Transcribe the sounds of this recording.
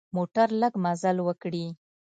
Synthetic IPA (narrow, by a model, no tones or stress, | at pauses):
moʈaɾləɡmazalwəkɽi